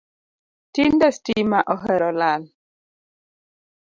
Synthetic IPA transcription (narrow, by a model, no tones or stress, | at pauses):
tindɛstimaʔɔɦɛɾɔlal